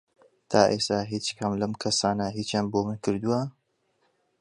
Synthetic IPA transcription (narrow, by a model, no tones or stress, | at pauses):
t̪ʰaːʔest̪aɦit͡ʃkʰɐmlɐmkʰɐsaːnɐɦiːt͡ʃjaːnboːmɨnkʰɨɾd̪uwɐ